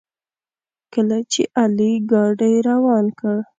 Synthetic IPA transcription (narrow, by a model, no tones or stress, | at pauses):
kəlat͡ʃeʔaliɡɑɖajɾawɑnkəɽ